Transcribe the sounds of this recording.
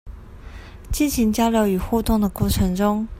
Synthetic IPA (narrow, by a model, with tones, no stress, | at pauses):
t͡ɕi˥˩nɕi˧˥ŋt͡ɕjɑ˥ʊljo˧˥ʊy˨˩xu˥˧t̪ʊ˥˩ŋd̪ə˩kwɔ˥˩ʈ͡ʂʰɤ˧˥ŋʈ͡ʂʊ˥ŋ